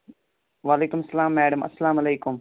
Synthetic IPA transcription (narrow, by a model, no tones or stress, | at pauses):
ʋaːleːkʊmɐsːɐlaːmːɛːɖɐmɐ̰sːɐlaːmɐleːkʊm